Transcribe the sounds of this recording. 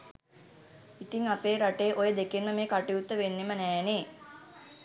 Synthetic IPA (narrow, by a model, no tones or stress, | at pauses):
it̪iŋapeːɾaʈejːʔojəd̪ekenməmeːkaʈiut̪ːəʋenːemənɛːneː